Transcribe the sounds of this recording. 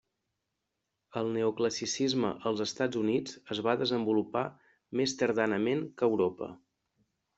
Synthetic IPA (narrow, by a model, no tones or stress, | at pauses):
əlˠnəukləsisizmə̰ʔəlˠzəst̪ad͡zunid͡zəzβaðəzəmbulupa | mest̪əɾðanəmeŋkəwɾopə̰